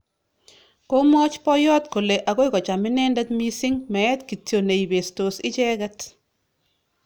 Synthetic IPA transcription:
ko˦mɔ˦t͡ʃpɔ˦jɔ˦tko˨le˨ʔa˨ɣo˦jkɔ˨t͡ʃa˨mɪ˦nɛ˦nda˦tmi˦sɪ˦ŋmɛ˨ɛ˦tki˨tjo˨ne˨i˨be˨sto˨sɪ˦t͡ʃɛ˦ka˦t

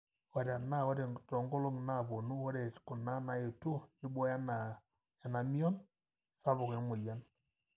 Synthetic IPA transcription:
wa˨ɾa˨na˦wɔ˦ɾɛ˨tɔ˨ŋɡɔ˦lo˦ŋ˨na˦˨βo˨nu˦wɔ˦ɾɛ˦˨kʊ˨na˦na˨e˨to˦d͡ʒɪ˦bɔ˦ja˦na˨ | ja˨na˨mi˦ɔ˦n | sa˦βɔ˨kɛ˨˦mo˨ja˦n

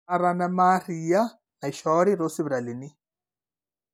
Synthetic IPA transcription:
aɾa˨na˦marija˦ | na˨iʃɔɾi˦ɾo˦si˦βɾa˨li˨ni˦

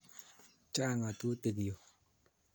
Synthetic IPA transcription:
t͡ʃa˥ŋa˩˨t̪u˥˨t̪e˩˨kjo˩˨

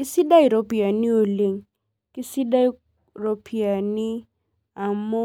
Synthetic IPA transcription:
kɪ˦si˦da˦i˨ɾo˦pi˨a˨ni˦o˨le˨ŋ | kɪ˦si˦da˦ | ɾo˦pʰi˨a˨nɪ˦ | a˨mo˦

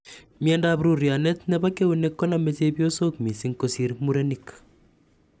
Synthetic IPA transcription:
mjɛnda˨βɾu˨ɾja˨ne˦t̪ne˦βa˦ke˦u˨ne˦kːo˦na˨me˦te˦bjo˦so˦kmi˨si˦ŋko˨si˦ɾmu˦ɾe˦nik

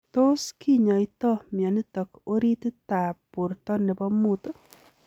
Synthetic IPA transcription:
t̪o˦skʰi˦ɲɔ˨ɪ˦t̪ɔ˦mɪjɔ˨nɪ˦t̪ɔ˨ko˦ɾi˦t̪t̪a˨pu˨ɾt̪ɔ˦nɪ˨bɔ˦mu˦t̪

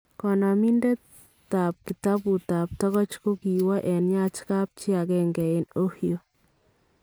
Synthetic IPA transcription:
kɔ˨na˨mi˦nde˦ | ta˨p̚ki˨ta˦bu˨ta˨p̚tɔ˦kɔ˦t͡ʃko˦ki˨wa˦ʔɛ˨nja˦t͡ʃka˦p̚t͡ʃi˦a˨kɛ˦ŋɡɛ˨ɪ˦no˦hio˨

